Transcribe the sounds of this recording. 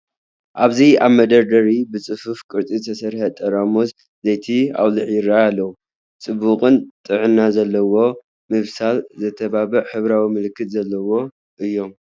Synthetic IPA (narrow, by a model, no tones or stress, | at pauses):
ʔaβziaβmɐd̪ɐɾd̪ɐɾibɨt͡sʼɨfɨfkʼɨɾt̪ʼiɨt̪ʰɐsɐɾħɐt̪ʼɐɾamos | zejt̪ʰia̰βlɨʕjɪɾaalːɐwu | t͡sʼɨbːuqʼɨnt̪ʼɨʕɨnːazɐlːɐwo̞ | mɨβsalzɐt̪ʰɐβaβɐʕħɨβɾawimɨlɨkːɨt̪zɐlːɐwo̞ | ʔɨjːo̞m